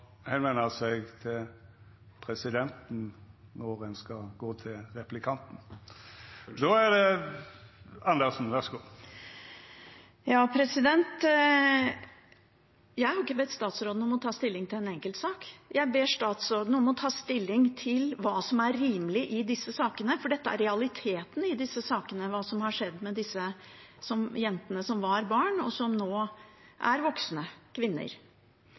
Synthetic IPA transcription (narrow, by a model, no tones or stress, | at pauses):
hɛnʋɛnəsɛɪɡt̪ʰɪl | pʰɾɛsɪd̪ɛnt̪n̩nɔɾɛnskɑɡoːt̪ʰɪlɾɛplɪkʰɑnt̪n̩ | d̪oːæd̪ɛ | ɑnd̪əʁsn̩ʋæʁsɡoː | jɑːpʰɾɛsɪd̪ɛnt̪ | jæɪhɑɾɪkːəbɛt̪st̪ɑːt̪sɾoːd̪nəɔmɔt̪ʰɑːst̪ɪlːɪŋt̪ʰɪlɛnɛŋkəlt̪sɑːkjæɪbeːʂt̪ɑːt̪sɔɾd̪nəɔmɔt̪ʰɑːst̪ɪlːɪŋt̪ʰɪlʋɑːsɔmæɾɾiːmlɪʔɪd̪ɪsːəsɑːkənəfɔɖɛt̪ːəæ̰ɾɾɛɑlɪt̪ʰeːt̪n̩ɪd̪ɪsːəsɑːkənəʋɑːsɔmhɑʂɛd̪ːmɛd̪ɪsːə | sɔmjɛnt̪ənəsɔmʋɑɾbɑːɳɔsɔmnoːʔæ̰ɾʋɔksnəkʰʋɪnːə̰ɾ